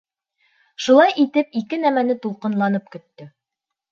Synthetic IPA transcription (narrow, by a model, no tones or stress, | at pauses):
ʃulˠɑjʔit̪ɘp̚ikɘnæmænɘt̪ulˠqɤ̆nlˠɑnɤp̚kɵ̆t̪ːɵ